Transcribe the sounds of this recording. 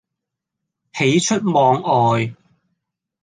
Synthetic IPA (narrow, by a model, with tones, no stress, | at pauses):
he˨˥jt͡ʃʰɵ˥t̚mɔː˨˧ŋɔː˨j